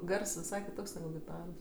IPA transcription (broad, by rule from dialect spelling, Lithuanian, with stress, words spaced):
ˈɡɐrs ʋʲɪˈsɐɪ kʲɪˈtoːks nʲɛˈɡʊ ɡʲɪˈtɑːroːs